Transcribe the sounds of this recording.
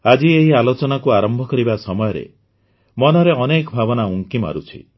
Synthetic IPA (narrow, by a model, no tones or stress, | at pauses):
ad͡ʒieɦialot͡ʃɔnakuaɾɔmbʱɔkɔɾibasɔmɔjɔɾḛ | mɔnɔɾeɔnekɔbʱabɔnauŋkima̰ɾut͡ʃʰḭ